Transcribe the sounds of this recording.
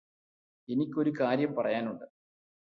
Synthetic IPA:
e̞nikʲːo̞ɾukaːɾjɐmpɐrɐjaːnuɳɖɨ

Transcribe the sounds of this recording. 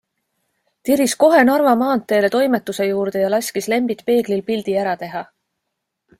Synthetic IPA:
t̪iɾisko̞ɦe̞nɑrvɑmɑːnt̪ːˑe̞ːle̞t̪o̞jme̞t̪ːˑuse̞juːɾd̪e̞jɑlɑsʲkisle̞mbit̪ˑpe̞ːɡ̥lilpild̪̥iæɾɑt̪e̞ɦɑ

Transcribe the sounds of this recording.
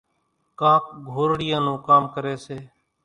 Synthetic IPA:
kãːk̚ɡʱoːɾɽɪjãːnũːkaːmkəɾeːseː

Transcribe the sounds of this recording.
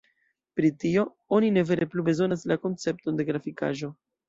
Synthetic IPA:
pɾitio̞ | o̞nine̞ve̞ɾe̞plube̞zo̞naslako̞nt͡se̞p̚to̞nde̞ɡɾafika̰ʒo̞

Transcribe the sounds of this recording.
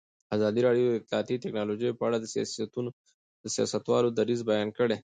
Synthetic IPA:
azɑd̪iɾɑɖjod̪əɪt̪lɑt̪iteknɑlod͡ʒijpəaɽad̪əsijɑ̰sat̪uno | d̪̥əsijɑ̰sɐt̪wɑlod̪ɐɾizbɐjɑːnkəɽe

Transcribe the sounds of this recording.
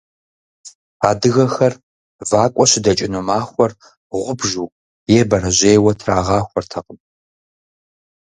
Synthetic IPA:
aːdɨɣɐxɐr | vaːkʷʼɔɕɪdɐt͡ʃʼɪnumaːxʷɔr | ʁʷʊbʒuː | jɛːbɐɾɐʑeːwɐtʰraːʁɑːxʷɔrtʰɐqʼəm

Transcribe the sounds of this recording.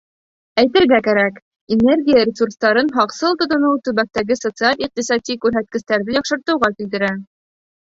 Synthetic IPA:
æjt̪ɘ̆ɾɡækæɾæk | ine̞rɡʲijəɾʲɪsurst̪ɑɾɤnɦɑqsɤlˠt̪ŏt̪ŏnɤwt̪ɵ̆βæk̚t̪æɡɘsot̪sɨalʲiq̚t̪isɑt̪ʲikʉɾɦæt̪̚kɘ̆st̪æɾðɘjɑqʃɤ̆ɾt̪ɤ̆wʁɑkilt̪ɘ̆ɾæ

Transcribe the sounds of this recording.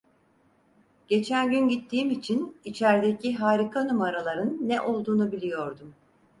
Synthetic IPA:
ɟ̥e̞t͡ʃʰænɟynɟit̪ʰːiːmit͡ʃʰinit͡ʃʰæɾd̪e̞cʰiɦaːɾikʰanumaɾalˠaɾɯnːɛʔo̞lˠd̪uːnubilʲijo̞ɾd̪um

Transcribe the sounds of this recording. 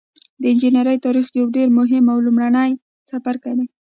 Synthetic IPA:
d̪əɪnd͡ʒinaɾəjt̪ɑɾixd̪əjawɖeɾmʊɦɪmawlumɽanəj | safaɾkad̪e

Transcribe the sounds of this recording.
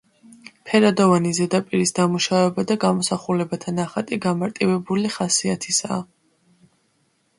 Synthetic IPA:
pʰɛɾad̪ɔvanizɛd̪apʼiɾisd̪amuʃavɛbad̪aɡamɔsaχulɛbat̪ʰanaχat̪ʼiɡamaɾt̪ʼivɛbuliχasiat̪ʰisa̰ː

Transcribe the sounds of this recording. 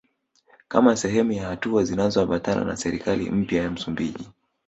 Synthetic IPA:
ka̰masɛɦɛmujahatuazinazɔaɓatana̰na̰sɛɾikalḭm̩pjajam̩sumbiʄi

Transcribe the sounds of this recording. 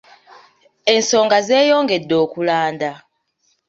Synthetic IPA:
en̩sɔŋɡazɛːjɔŋɡɛdːoːkulaːnda

